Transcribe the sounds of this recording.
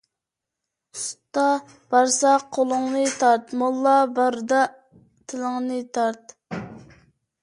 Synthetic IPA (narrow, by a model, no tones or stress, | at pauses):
st̪ɑ | b̥ɑɾsɑqʰolˠʊŋnɨt̪ʰɑɾt̪mɑlˠːɑbɑɾd̪ɑ | t̪ʰɪlɪŋnɨt̪ʰɑɾt̪